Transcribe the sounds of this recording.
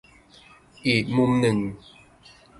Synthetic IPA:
i˨ʔmu˦mnɨ˨ŋ

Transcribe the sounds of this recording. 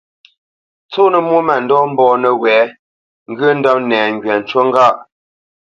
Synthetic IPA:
t͡so˦˨nə˨mwu˦mɛ˨n̩˨dɔ˦m̩˦bɔ˨nə˨wɛː˨˦ | ŋ̩˦ɡə˦n̩˦dɔ˦p̚nɛː˨ŋ˨ɡɥɛ˨n̩˨t͡ʃwo˦ŋ̩˦ɡa˦˨ʔ

